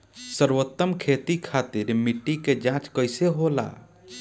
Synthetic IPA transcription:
səɾwət̪ːəmkʰet̪ikʰat̪iɾmiʈːiked͡ʒãt͡ʃkəjseɦola̰

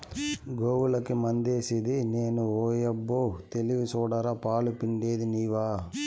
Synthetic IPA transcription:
ɡoːʋulɐkːemɐnd̪eːsid̪ineːnuoːjɐbːoːt̪eliʋisɔːɽɐɾɐpaːlupiɳɖeːd̪iniːʋaː

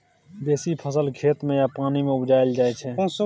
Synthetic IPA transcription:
b̪eːsipʰəsəlkʰeːt̪mẽjapaːnimẽʊbd͡ʒaːɪld͡ʒaːet͡ʃʰɛ̃ːs

